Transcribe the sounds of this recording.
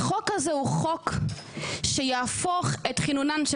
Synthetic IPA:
χokhazehuχok | ʃejaːfoχetχinunanʃ

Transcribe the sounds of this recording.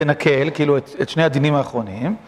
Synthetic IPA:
enakʰe̞lkiiluet̪et̪ʃnead̪inimaːχʁo̞nim

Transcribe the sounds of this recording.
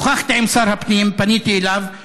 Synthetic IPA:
χaχt̪aɛmsaɾhapnijimpanit̪iːlav

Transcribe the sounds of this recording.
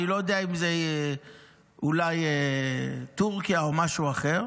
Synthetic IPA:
ilo̞jod̪eaimzee | ulaje | t̪uʁkijao̞maʃuaχe̞ʁ

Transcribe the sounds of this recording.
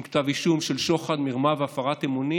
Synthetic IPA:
ktaviʃumʃelʃo̞χad̪miʁmaveafaʁat̪emoni

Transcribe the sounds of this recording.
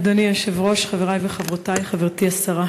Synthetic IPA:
d̪aniaʃevʁo̞ʃχaveʁajveχavʁot̪ajχaveʁt̪iasaʁa

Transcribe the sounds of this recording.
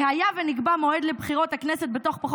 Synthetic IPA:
hajaveniɡbamo̞ed̪lebχiʁo̞t̪hakneset̪̚bet̪o̞χpaχ

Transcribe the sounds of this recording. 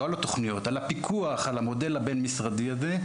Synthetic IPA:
alat̪oχnijo̞t̪alapikʰuaχalamo̞de̞labe̞nmisʁadiaze̞

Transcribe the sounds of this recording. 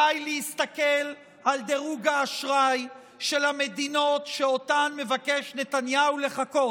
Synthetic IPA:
ajlehist̪akel | ald̪e̞ʁuɡaːʃʁaj | ʃe̞lhame̞dino̞tʃeo̞tanme̞vake̞ʃne̞t̪anjaule̞χako̞

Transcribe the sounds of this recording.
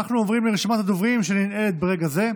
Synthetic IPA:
aχnuovʁimleeʃimat̪ad̪ovʁimʃeninet̪̚beʁe̞ɡaze̞

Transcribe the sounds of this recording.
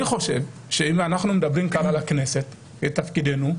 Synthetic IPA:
iχo̞ʃe̞v | ʃeimanaχnumed̪abʁimkaʁalakne̞set̪ | ket̪afkid̪e̞nu

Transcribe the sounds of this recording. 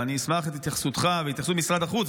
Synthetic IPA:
aniːsmaχet̪it̪jaχsut̪χaveit̪jaχsumisʁad̪aχut͡s

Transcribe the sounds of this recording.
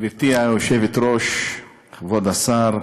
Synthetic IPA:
biɾt̪iajoʃevet̪ɾoʃ | χvod̪asaɾ

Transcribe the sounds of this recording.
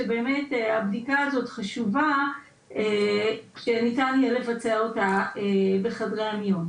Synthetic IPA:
ebe̞ːme̞tabdikaːzo̞tχaʃuva | eʃenitanielevat͡seaotaebeχadʁeamjom

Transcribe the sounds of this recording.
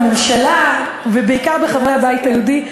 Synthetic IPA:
memʃala | vebeikaʁbeχavʁehabaithajeudi

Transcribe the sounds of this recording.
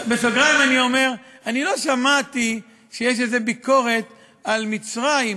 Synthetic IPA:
befaɡʁaimanio̞me̞ʁanilo̞ʃamat̪i | ʃejeʃ̬ezebiko̞ʁe̞t̪ | almit͡sʁaim

